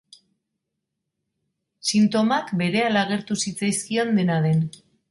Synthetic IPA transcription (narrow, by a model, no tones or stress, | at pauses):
sint̪o̞makbe̞ɾe̞alaɣ̞e̞ɾt̪usit͡sajskio̞nd̪e̞nað̞e̞n